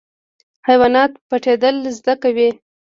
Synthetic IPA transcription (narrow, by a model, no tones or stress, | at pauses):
hajwɑnɑt̪paʈed̪əlzd̪akawi